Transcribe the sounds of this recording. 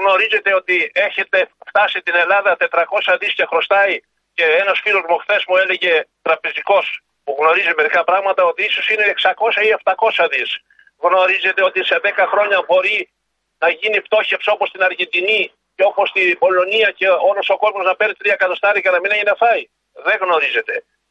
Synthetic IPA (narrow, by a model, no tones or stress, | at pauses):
ɣno̞ɾize̞t̪e̞o̞t̪ie̞çe̞t̪e̞ft̪ɐsit̪ine̞lɐðɐt̪e̞t̪ɾɐko̞sɐðiscexɾo̞st̪ɐi | ce̞enɐsfilozmoxθe̞zmue̞le̞ʝe̞t̪ɾɐpeziko̞s | puɣno̞ɾizime̞ɾikɐpɾɐɣmɐt̪ɐo̞t̪iiso̞sine̞ːksɐko̞sɐie̞ft̪ɐko̞sɐðis | ɣno̞ɾize̞t̪eo̞t̪iseðe̞kɐxɾo̞ɲɐbo̞ɾi | nɐʝinift̪o̞çe̞pso̞po̞st̪inɐɾʝend̪ini | ceo̞po̞st̪ibo̞lo̞niɐce̞o̞loso̞ko̞zmo̞znɐpe̞ɾit̪ɾiɐkɐt̪o̞st̪ɐɾikɐnɐmineʝinɐfɐi | ðe̞ɣno̞ɾize̞t̪e̞